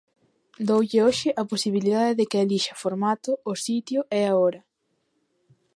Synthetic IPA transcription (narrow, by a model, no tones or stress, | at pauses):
d̪owʎɪoʃɪʔɐposiβiliðaðɪðɪkɪaliʃɐfoɾmat̪ʊːsit̪jʊʔɛaɔɾɐ